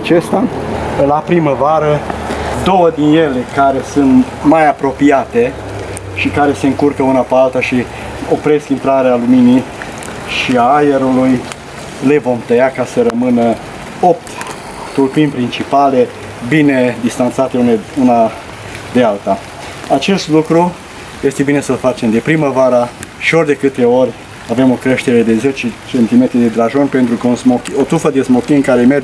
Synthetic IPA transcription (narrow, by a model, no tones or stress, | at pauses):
at͡ʃest̪alapɾiməvaɾəd̪o̞wəd̪inje̞lekaɾe̞sunt̪ | majapɾo̞piat̪e̞ | ʃikaɾe̞se̞ɨŋkurkəunapealt̪aʃi | opɾe̞skint̪ɾaɾealumini | ʃiaajeɾuluj | le̞vo̞mt̪əjakasəɾəmɨnə | o̞p̚t̪ | t̪urpinʲpɾint͡ʃipale̞ | bine̞d̪ist̪ant̪sat̪euneuna | d̪ealt̪a | at͡ʃe̞st̪lukɾu | je̞st̪e̞bine̞səlfat͡ʃe̞md̪e̞pɾiməvaɾaʃio̞rʲd̪e̞kɨt̪e̞o̞rʲ | ave̞mo̞kɾe̞ʃt̪eɾe̞d̪e̞ze̞t͡ʃet͡ʃe̞nt̪ime̞t̪ɾid̪e̞d̪ɾaʒo̞nʲpe̞nt̪ɾukəunzmokio̞t̪ɾufəd̪e̞smokʲiɨŋkaɾemer